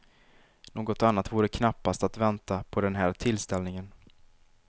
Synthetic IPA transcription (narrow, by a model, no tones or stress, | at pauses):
noːɡɔt̪anːat̪vuːɾəkʰnapːast̪at̪vɛnt̪apʰɔd̪ɛnɦæːɾt̪ʰɪlːst̪ɛlnɪŋən